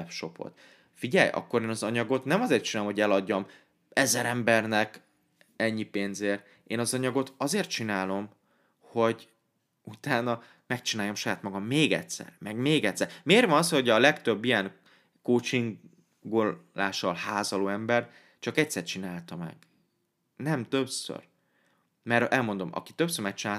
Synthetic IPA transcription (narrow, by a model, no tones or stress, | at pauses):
ɛpʃo̞̰po̰t̪ | fiɟɛjʔɒ̰kːo̞ɾeːnɒzɒɲɒɡo̞t̪nɛmɒzeːrt̪t͡ʃinalomho̞ɟɛlɒɟːɒm | ɛzɛɾɛmbɛrnɛk | ɛɲːipeːnzeːr | eːnɒzɒɲɒɡo̞t̪ɒzeːrt̪̚t͡ʃinaːlo̞m | ho̞ɟ | ut̪aːnɒ | mɛkt͡ʃinaːjomʃɒjaːt̪mɒɡɒmːeːɡɛ̰tʲsɛ̰rmɛɡmeːɡɛct̪sɛɾmeːrʋɒnɒshoɟɒlɛkt̪ø̞bːijɛŋ | koːt͡ʃiŋɡ | ɡolaːʃɒlhaːzɒloːɛmbɛrt | t͡ʃɒkɛcʲsɛrt͡ʃinaːlt̪ɒmɛ̰ɡ̥ | nɛmt̪ø̞psø̰r | mɛɾɛlmo̞nd̪o̞mɒ̰ki̥t̪øpsøɾmɛk̚t͡ʃinaː